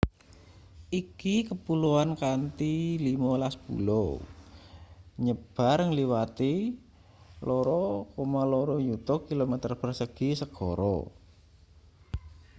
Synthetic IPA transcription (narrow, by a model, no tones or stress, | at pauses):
ikikəpuluankant̪ilimalaspṵlo | ɲəb̥a̤ɾŋliwat̪i | lɔɾɔkomalɔɾɔjut̪ɔkilomɛt̪ərpərsəɡ̥isəɡ̥ɔɾɔ̰